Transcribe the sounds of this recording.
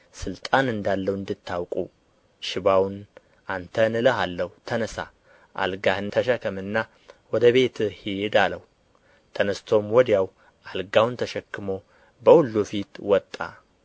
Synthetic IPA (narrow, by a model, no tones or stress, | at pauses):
sɨlt̪ʼanɨnd̪alːəwɨnd̪ɨt̪ʰːawkʼu | ʃɪβawn | ant̪ʰənɨləhalːəht̪ʰənəsa̰ | ʔa̰lɡahɨnt̪ʰəʃəkʰəmɨnːa | wɔd̪əβe̞t̪hid̪aləwu | t̪ʰənəst̪ʰo̞mwɔd̪jaw | alɡawnt̪ʰəʃɛkːɨmo̞ | bəhulːufit̪wɔt̪ʼːa̰